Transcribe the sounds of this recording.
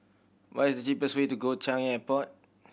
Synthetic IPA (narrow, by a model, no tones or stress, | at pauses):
wɔtisdət͡ʃipəswetuɡot͡ʃʰãŋjaɛpɔt̚